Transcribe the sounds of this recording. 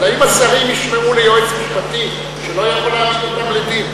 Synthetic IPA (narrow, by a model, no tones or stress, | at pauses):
laimasaʁimjiʃmeulejoet͡smiʃpat̪i | ʃelo̞ajaχolaːinot̪amled̪im